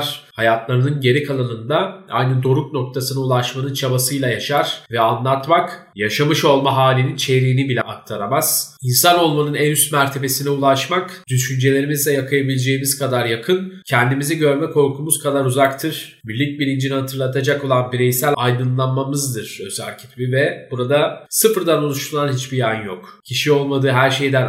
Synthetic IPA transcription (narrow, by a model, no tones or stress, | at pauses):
ɾ̥hajat̪ʰlˠaɾɯnɯnɟe̞ɾikʰalˠanɯnd̪aa̰jnɯd̪o̞ɾukno̞k̚t̪ʰasɯnaulˠaʃmanɯnt͡ʃʰabasɯjlˠajaʃaɾ̥vɛanlˠaɾt̪mak | jaʃamɯʃo̞lˠmaɦaːlʲinint͡ʃʰe̞ɾiːnibilʲɛʔak̚t̪ʰaɾamaz̥insano̞lˠmanɯnɛnyst̪mæɾt̪ʰe̞be̞sinɛulˠaʃmakd̪̥yʃynd͡ʒe̞lʲe̞ɾimizlʲɛjakʰajabilʲed͡ʒe̞jimiz̥kʰad̪aɾjakʰɯncʰɛnd̪imiziɟø̞ɾmɛkʰo̞ɾkʰumuzkʰad̪aɾuzakt̪ʰɯɾ̥ | mylʲːic̚bilʲind͡ʒinihat̪ʰɯɾlˠat̪ʰad͡ʒako̞lˠanbiɾɛjsælʲajd̪ɯnlˠanmamɯzd̪ɯɾ̥øza̰cʰi̥t̪bivɛb̥uɾad̪asɯfɾd̪ano̞lˠuʃt̪ulˠanɦit͡ʃbijanjokcʰiʃio̞lˠmad̪ɯːɦæɾʃe̞jd̪æn